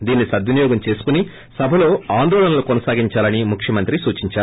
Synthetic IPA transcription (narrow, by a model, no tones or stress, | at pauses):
d̪iːnːisɐd̪junijɔːɡɐmt͡ʃe̞ːsu̥kuni | sɐbʱɐlo̞ːaːnd̪ɔːlɐnɐlukɔnɐsaːɡiɲt͡ʃaːlɐnimukʰʂjɐmɐnt̪ɾisuːt͡ʃiɲt͡ʃaːɾ